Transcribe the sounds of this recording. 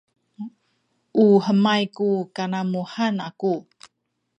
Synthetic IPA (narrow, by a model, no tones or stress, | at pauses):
ʔuħəmajkukanamuħanaku